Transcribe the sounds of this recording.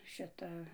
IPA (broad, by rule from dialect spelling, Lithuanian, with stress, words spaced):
ˈʃʲɪtɐ